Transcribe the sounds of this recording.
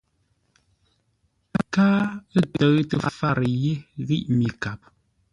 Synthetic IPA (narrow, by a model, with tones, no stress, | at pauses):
a˦kaː˦ə˦tə˨ɣtə˦˨fa˦˨ɾə˨je˦ɣi˦ʔmi˨ka˨p̚